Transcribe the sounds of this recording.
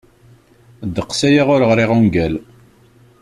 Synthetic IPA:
d̪əqsæjaʁʊɾəʁɾiʁuŋɡæl

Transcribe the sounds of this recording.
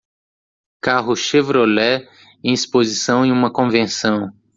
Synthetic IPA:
kaɦʊʃevɾolɛ | ẽj̃ispozisɐ̃w̃ẽũmɐkõvẽsɐ̃w̃

